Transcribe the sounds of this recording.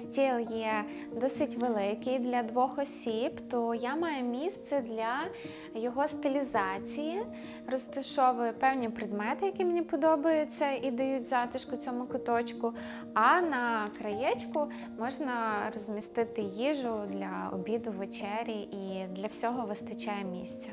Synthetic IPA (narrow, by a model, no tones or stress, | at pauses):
sʲtʲilˠjɛ | d̪ɔsɪtʲʋelˠɪkɪjd̪lʲɐd̪ʋɔxɔsʲibt̪ɔjamɑjʊmʲist̪sɛd̪lʲɐ | jɔɦɔst̪ɪlʲizɑt͡sʲiji | rɔst̪ɐʃɔʋɪpɛwnʲipɾɪd̪mɛt̪ɪjɐkʲimenʲipɔd̪ɔbɐjʊt͡sʲːɐid̪ɐjutʲzɑt̪ɪʃkʊt͡sʲɔmʊkɔt̪ɔt͡ʃkʊ | ɐnɐkɾɐjɛt͡ʃkʊ | mɔʒnɐrɔzʲmʲist̪ɪt̪ɪjiʒʊd̪lʲɐ̰ɔ̰bʲid̪ʊʋet͡ʃɛɾʲiʔid̪lʲɐwsʲɔɦɔʋɪst̪ɐt͡ʃajɛmʲḭsʲt͡sʲɐ